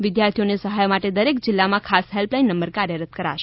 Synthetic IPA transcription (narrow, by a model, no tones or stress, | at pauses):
ʋɪd̪jaɾt̪ʰijonesəɦajmaʈed̪əɾek̚d͡ʒɪlːamãkʰasɦelplainːəmbəɾkaɾjəɾət̪̚kəɾa̰ʃe